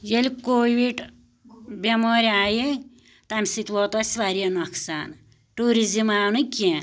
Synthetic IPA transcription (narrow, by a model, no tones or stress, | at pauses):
jelʲikoːʋiɖ | bʲemoɾʲaːji | t̪amʲisit̪ʋɔt̪ɔsʲʋaɾijɐnɔkʰsan | ʈuɾizimaːwnɨkʲe